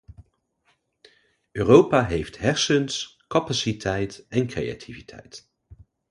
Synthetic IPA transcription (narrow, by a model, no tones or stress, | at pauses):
øːrowpaːɦejftɦɛɹsəns | kɑpasitʰɛjtɛnkrḛja̰tʰivitʰɛ̰jt